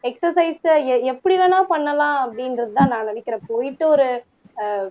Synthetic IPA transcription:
ɛksɐsɐɪsɛɛpːɐɽɪʋeːnaːpɐɳːɐlãːɐpːɐɽɪnɾɐðɯt̪ãːnãːnɪnɪkːɪɾɛ̃ːpoːjɪʈ̪ːɯɔɾɯ

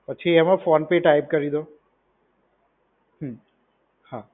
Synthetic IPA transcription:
pət͡ʃʰiəmãfoːnpeʈaip̚kəɾid̪o | ɦə̃ | ha

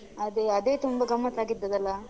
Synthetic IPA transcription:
ɐd̪eɐd̪eːt̪umbɐɡɐmːɐt̪aːɡid̪ːɐd̪ɐlːɐ

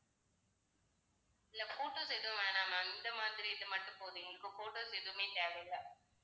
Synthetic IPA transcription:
ɪlːɐfoːʈːoːsɛjðɯʋ̃mʋeːnaːmãɪnd̪ɐmaːðɪɾiɪðɯmɐʈːʊ̃poːðiŋɡɐɭɯkːɯfoːʈːoːsɛjðɯʋɯmeːt̪eːʋɐjlɐ

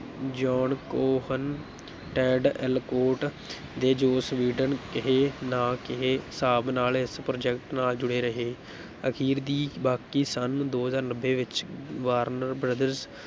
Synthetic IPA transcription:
d͡ʒɔːɳkoːhən | ʈɛ̃ːɖɛlkoːʈ | d̪eːd͡ʒoːsʋiːɖənkɪɦeːnãːkɪɦeːsaːbnaːlɪspɾoːd͡ʒɛkʈnaːld͡ʒʊɽeːɾəɦeː | əkʰiːɾd̪iːbaːkiːsənd̪oːɦzaːɾnəbːeːʋɪt͡ʃʋaːɾnəɾbɾəd̪əɾz

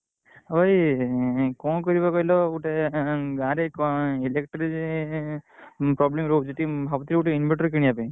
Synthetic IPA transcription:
oj | kɔ̃kɔɾibakɔɦilɔuʈeɡãɾekɔelekʈɾi | pɾɔblemɾod͡ʒeʈibʱabt̪iluʈeinbeʈɔɾkiɽiapẽ

